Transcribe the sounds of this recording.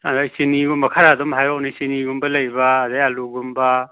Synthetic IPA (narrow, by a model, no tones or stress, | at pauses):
ɐzajsiniɡumbɐkʰaɾadumɦajɾɔknisiniɡumbɐlɐjbaːzajɐluɡumbɐ